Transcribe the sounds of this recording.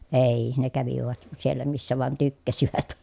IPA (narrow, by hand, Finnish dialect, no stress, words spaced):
eˑiːi ne kæʋiʋæt sielːæ misːæ ʋɑˑĕn tykːæsiʋæt